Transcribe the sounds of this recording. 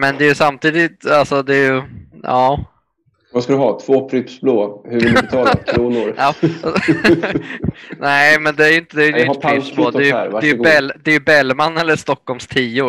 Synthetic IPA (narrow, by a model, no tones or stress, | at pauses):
mɛnd̪ɛːjɵsamt̪ʰiːd̪ɪt̪alsɔd̪ɛjɵjɑː | vaskad̪ɵɦɑːt̪ʰv̥oːpʰɾʏpsbloːhɵɾvɪlt̪ʰɑːlabʰluːnʊɾɑː | nɛɪmɛnd̪ɛæɾjʏnt̪əd̪ɛæɾjɪaɪloːd̪ɛj̰ɾvaɛjbɛld̪ɛːjɵbɛlːmanːɛlːəʂt̪ɔkːɔlmst̪ʰiːʊ